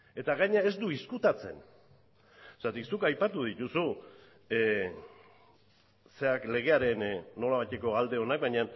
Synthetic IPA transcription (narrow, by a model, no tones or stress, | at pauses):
e̞t̪aɣaɲae̞zd̪uiskut̪at͡se̞̰n | sat̪iksukajpat̪uð̞it̪usu | se̞akle̞ɣ̞e̞aɾe̞nːo̞laβajt̪e̞ko̞ald̪e̞o̞nak̚baɲan